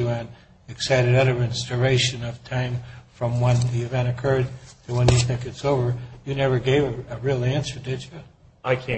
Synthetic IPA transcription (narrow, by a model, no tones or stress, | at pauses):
ɨɨ̃n | ɨksaɪɾɨɾʌɾə˞ɨ̃nsdə˞eɪʃɨ̃nʌv̥tʰãɪ̃ɱfɹʌ̃mwə̃nðiɨvɛ̃ɾ̃ɨkʰɜ˞d̪̚tʰɨwə̃njɨθɪ̃kɨtsoʊvə˞jɨnɛvə˞ɡeɪvɨɨɹɪlˠæ̃nsə˞dɪd͡ʒɨ | aɪkʰæ̃